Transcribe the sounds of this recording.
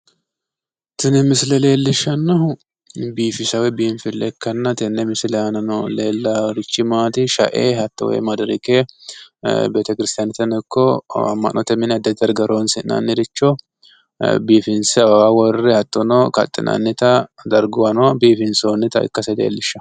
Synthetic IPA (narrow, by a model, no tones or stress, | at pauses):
t̪ɪnɛmɪsɪlɛle̞ːlːɪʃːɐnːɐhʊ | biːfɪsɐwɛbiːnfɪlːɛkːɐnːɐt̪ɪnːɛmɪsɪlɛɐnɐnɔleːlːɐɾɪt͡ʃːɪmaːt̪ɪʃɐ̰ʔḛːɦɐt̪ːɔwɛ̰mɐd̪ɾɪke | beːt̪ɐkɪɾɪst̪ɪjanɛt̪ɐnɛkːɔɐ̰mːɐ̰ʔnʔɔt̪ɛmɪnɐd̪ːɐd̪ɐɾɡɐɾoːnsɪnɐ̰nːɪɾɪt͡ʃːɔ | biːfɪnsɛɐbɐwawɔrːɛhɐt̪ʼːɔnɔkɐ̰t̪ʼːɪ̰nʔɐ̰nːɪt̪ɐd̪ɐɾɡʊwɐnɔbiːfɪnsoːnːɪt̪ɐɪ̰kːɐsɛlḛːlːɪʃːɐ